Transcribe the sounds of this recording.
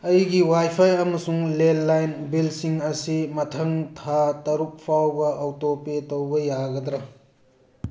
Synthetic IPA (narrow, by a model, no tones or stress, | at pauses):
ɐjɡiwajpʰajɐmɐsuŋlelːajnbilsiŋɐsimɐtʰɐŋtʰatɐɾup̚pʰawbɐʔːwtopetowbɐjaɡɐd̪ɾɐ